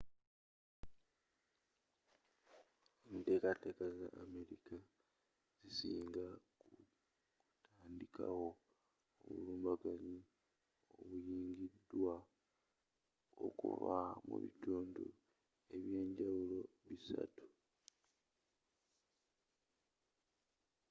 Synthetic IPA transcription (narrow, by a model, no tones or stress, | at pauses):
emite̞ːkate̞ːkazaʔːme̞ɾika | z̥isiːŋɡa | ku | taːndikʰa̰wo̞ | o̰βṵluːmbaɡaɲi | o̞βujiːŋɡidːwa | o̰kṵvamṵβituːndṵ | e̞βje̞ːɲɟawulo̞ | βisa̰tu̥